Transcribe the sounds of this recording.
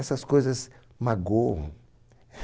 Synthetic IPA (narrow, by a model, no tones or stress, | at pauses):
ɛsɐskojzɐs | maɡoɐ̰̃